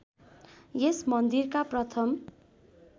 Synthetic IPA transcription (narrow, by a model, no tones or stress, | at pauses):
jesmʌnd̪irkaprʌt̪ʰʌm